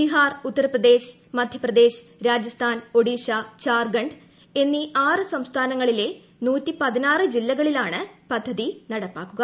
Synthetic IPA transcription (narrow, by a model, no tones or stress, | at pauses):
iɦaːrut̪ːɐɾɐprɐd̪e̞ːɕmɐd̪ʱjɐprɐd̪e̞ːɕɾaːd͡ʑɐst̪ʰaːno̞ɽiːʂat͡ɕaːrɡɐɳɖ | e̞nːiʔaːrɨsɐmst̪ʰaːnɐŋːɐɭile̞ | nuːtːipɐðinaːrɨd͡ʑilːɐɣɐɭilaːɳɨpɐd̪ʱːɐðinɐɽɐpːaːkːuɡɐ